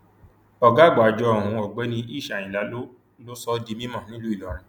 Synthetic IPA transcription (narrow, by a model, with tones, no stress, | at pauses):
ɔ˨ɡa˨˦˨ɡ͡ba˨d͡ʒɔ˧ɔ˨ũ˧ɔ˨ɡ͡bɛ˨˦nĩ˧i˦˨ʃa˨ĩ˨la˨˦ | lo˦sɔ˦di˧mĩ˦mɔ̃˦˨nĩ˦lu˦i˦˨lɔ˨ɾ̃ĩ˨